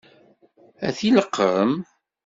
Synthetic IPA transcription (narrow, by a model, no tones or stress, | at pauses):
æθiləqːəm